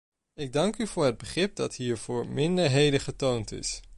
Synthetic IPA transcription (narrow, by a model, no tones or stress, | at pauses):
ɪɡ̚dɑŋkyvʊːɹɦəd̚bəχrɪp̚dɑtɦiːɹv̥ʊːɹmɪndəɹɦejdəχətowntɪ̰s